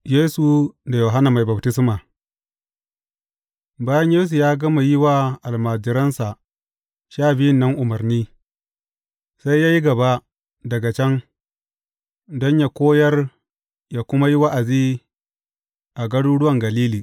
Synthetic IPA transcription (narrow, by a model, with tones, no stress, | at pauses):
jeː˦su˨da˨joː˨ɦa˦na˨ma˨jba˨btɪ˦sma˨ | baː˦jɐ˦ɲjeː˦s̬u˨jaː˦ɡɐ˦ma˨jɪ˦wa˦ʔa˨lmaː˨d͡ʒɪ˨ɾɐ˦nsa˨ | ʃaː˦˨bɪ˦jɪ˦˨nːɐ˦ŋʔʊ˨mɐ˨rniː˦ | sa˦jjaː˦ji˦ɡɐ˨ba˦ | dɐ˨ɡa˨t͡ʃɛ˦ŋ | dɔ˦ɲja˨kʷoː˦jɐ˦r | jaː˦kʷʊ˦ma˦ji˦wa˦ʔa˨ziː˦ | ʔa˨ɡɐ˦ɽuː˦ɽʊ˦wɐ˨ŋɡɐ˨liː˦liː˨